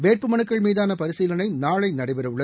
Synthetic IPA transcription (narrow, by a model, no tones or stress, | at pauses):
ʋeːʈ̚pɯmɐnɯkːɐɭmiːðaːnɐpɐɾɪsiːlɐnɐɪnaːɭɐɪnɐɽɐɪʋɐɾɐʋɯɭːɐ